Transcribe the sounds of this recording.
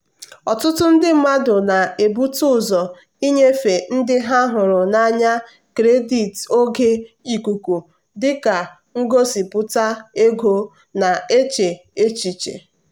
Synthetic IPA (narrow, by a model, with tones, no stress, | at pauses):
ɔ˨tʊ˦tʊ˦n̩˦dɪ˦m̩˦ma˦dʊ˨na˨e˨bu˦tʊ˦˨zɔ˨ | i˦ɲe˦fe˨n̩˦dɪ˦ɦa˦ɦʊ˨ɾʊ˨na˦ɲa˦ | kɾe˦di˨to˦ɡe˦i˨ku˨ku˨ | dɪ˦ka˨ | ŋ̩˦ɡo˦si˨pʊ˦ta˦e˦ɡo˦ | na˨e˦t͡ʃe˨ | e˦t͡ʃi˨t͡ʃḛ˨